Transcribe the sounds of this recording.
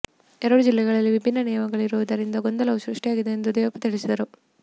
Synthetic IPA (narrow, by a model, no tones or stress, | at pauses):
ɛɾɐɽud͡ʒilːɛɡɐɭɐlːiʋibʱinːɐnɛjɐmɐɡɐɭiɾuʋud̪ɐɾind̪ɐɡo̞nd̪ɐlɐʃɾuʂʈijaːɡid̪e̞ːnd̪ud̪ɛːjʋɐpːɐt̪iɭisid̪ɐɾu